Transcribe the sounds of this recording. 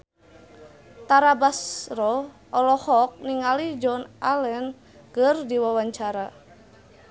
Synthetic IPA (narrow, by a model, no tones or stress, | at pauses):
t̪aɾabasrɔ | ʔɔlɔhɔk̚niŋalid͡ʒɔnalɛn | kərdiwawaɲt͡ʃaɾa